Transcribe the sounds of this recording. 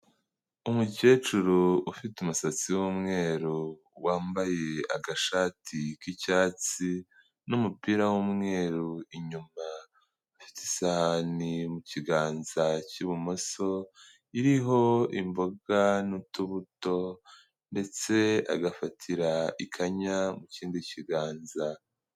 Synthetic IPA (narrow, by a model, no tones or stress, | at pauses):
umuce̞ːt͡ʃuɾuufitumusat͡siwumŋe̞ːɾu | waːmbaje̞aɡaʃaːtʰikicaːt͡si | numupiɾawuːmŋe̞ːɾuiɲuma | afi̥ti̥sahanimuciɡaːnzaciβumo̞so̞ | iɾiɦo̞imbo̞ɡanutuβuto̞ | nde̞t͡se̞a̰ɡafatʰiɾaikʰaɲamuciːndiciɡaːnza